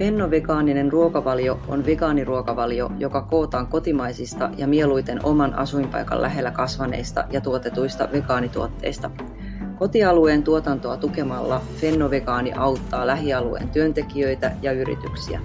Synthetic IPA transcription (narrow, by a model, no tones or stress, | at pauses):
fe̞nːo̞ʋeɡɑːnine̞nruokɑʋɑljo̞onʋeɡɑːniruokɑʋɑljo̞̰jo̞kɑko̞ːt̪ɑːŋko̞t̪imɑjsist̪ɑ̰jɑmie̞lujt̪e̞no̞mɑnɑ̰sujmpɑ̰jkɑ̰lʔæɦe̞lːækɑsʋɑne̞̰jst̪ɑ̰jɑt̪uot̪e̞t̪ujst̪ɑʋe̞ɡɑːnit̪uo̞t̪ːe̞̰jst̪ɑ | ko̞t̪iɑlue̞ːnt̪uo̞t̪ɑnt̪o̞ɑt̪uke̞mɑlːɑfe̞nːoʋeɡɑːniʔɑwt̪ːɑːlæɦiɑluḛːnt̪yønt̪e̞kiø̞jt̪æjɑyɾḭt̪yksiæ̰